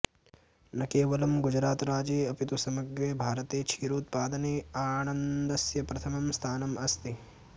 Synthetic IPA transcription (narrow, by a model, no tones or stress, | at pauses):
nɐkeːʋɐlɐmɡud͡ʒɾaːt̪ɾaːd͡ʒeːɐpit̪usɐmɐɡɾeːbʱaːɾɐt̪eːt͡ʃʰiːɾuːt̪̚paːd̪ɐneːaːnɐnd̪ɐsjɐpɾɐt̪ʰɐmɐmst̪ʰaːnɐmɐst̪i